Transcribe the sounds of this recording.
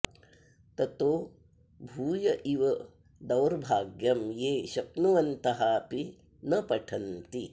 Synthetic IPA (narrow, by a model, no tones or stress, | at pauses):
t̪ɐt̪oː | bʱuːjɐʔiʋɐ | d̪ɐwɾbʱaːɡjɐmjeːʃɐpnuʋɐnt̪ɐɦaːpi | nɐpɐʈʰɐnt̪i